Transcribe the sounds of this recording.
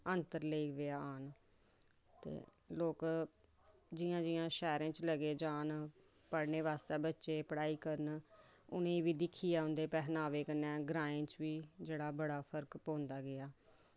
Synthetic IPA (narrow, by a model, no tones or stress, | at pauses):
ənt̪əɾleiːʋeaːaːn | t̪ḛː | loːk | d͡ʒɪjãːd͡ʒɪjãːʃɛːɾãːt͡ʃləɡeːd͡ʒaːn | pəɽneːʋaːst̪eːbətːʃeːpəɽaːiːkəɾn | ʊ̰nẽːʋiːd̪ɪkʰːiːaːɦʊ̃nd̪eːpɛːɦnaːʋeːkənɛ̃ːɡɾaːẽːt͡ʃʋiːd͡ʒeːɽaːbəɽaːpʰəɾkpõːnd̪aːɡɪaː